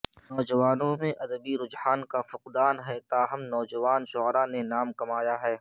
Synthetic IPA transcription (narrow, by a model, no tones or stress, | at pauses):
nɔːd͡ʒɐʋaːnõmẽʔɐd̪əbiɾʊd͡ʒhaːnkafʊqd̪aːnɦɛːt̪aːɦɐmnɔːd͡ʒɐʋaːnʃʊɦɾanenaːmkɐmaːjaɦɛː